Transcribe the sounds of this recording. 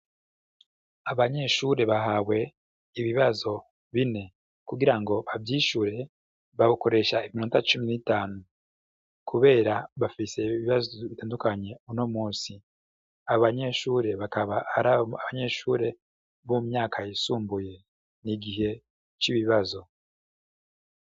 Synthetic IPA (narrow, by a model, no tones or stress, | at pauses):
aβaɲe̞ʃuɾe̞βaɦawe̞ | iβiβazo̞ | βine̞ | kuɡiɾaŋɡo̞βavjiːʃuɾe̞ | βaβuko̞ɾe̞ʃaimiɾontat͡ʃuminitaːnu | kʰuβe̞ːɾaβafise̞iβiβazoβitaːndukaɲe̞unomuːsi | aβaɲe̞ʃuːɾe̞βakaβaaɾaaβaɲe̞ʃuːɾe̞ | βumɲaːkʰajisuːmbuje̞ | niɡiɦe̞ | t͡ʃiβiβazo̞